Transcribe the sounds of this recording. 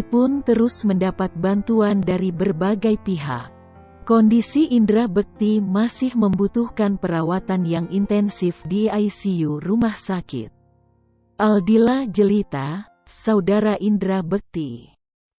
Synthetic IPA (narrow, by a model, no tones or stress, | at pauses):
pʊnt̪əɾʊsməndapat̪̚bant̪uandaɾibərbaɡajpiɦa̰k̚ | kːɔndisiʔindɾabək̚t̪imasɪhməmbut̪uhkanpəɾawat̪anjaŋʔint̪ɛnsɪfdiajsijurumahsakɪ̰t̪̚ | ʔaldilad͡ʒəlit̪a | saudaɾaʔindɾabək̚t̪i